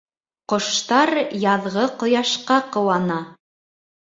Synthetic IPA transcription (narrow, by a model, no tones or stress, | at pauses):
qŏʃt̪ɑɾjɑðʁɤqŏjɑʃqɑqɤ̆wɑnɑ